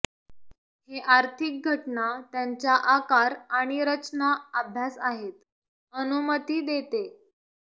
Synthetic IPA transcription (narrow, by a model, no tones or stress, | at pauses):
heʔaɾt̪ʰik̚ɡʱəʈnat̪jaɲt͡ɕjaʔakaɾaɽ̃iɾət͡ɕnaabʱjasaɦet̪ | ənumət̪iːd̪et̪e